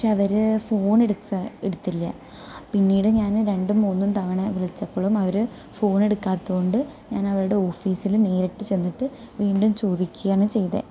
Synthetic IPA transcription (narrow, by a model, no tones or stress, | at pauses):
pɐkʂeːɐʋɐɾɨfo̞ːne̞ɽukːɐeɽut̪ːilːɐ̰ | pinːiːɽɨɲaːnɾe̞ɳɖumuːnːumt̪ɐʋɐɳɐʋiɭit͡ɕːɐpːoːɭumɐʋɐɾɨ | fo̞ːne̞ɽukːaːt̪ːɐɣoɳɖɨɲaːnɐʋɐɭuɽe̞o̞ːfiːsilneːɾeʈːɨt͡ɕe̞nːiʈːɨ | ʋiːɳɖumt͡ɕo̞ːd̪ikʲːuɣjaːɳɨt͡ɕe̞jt̪ḛ